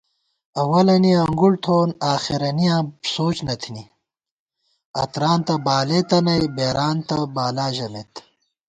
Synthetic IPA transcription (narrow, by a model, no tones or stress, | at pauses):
ɐwɐlɐniɐŋɡuɽt̪ʰoːnaːxiɾɐnijãːsoːt͡ɕnɐt̪ʰini | ɐ̰t̪ɾaːnt̪ɐbaːleːt̪ɐnɐjbeːɾaːnt̪ɐbaːlaːʑɐnet̪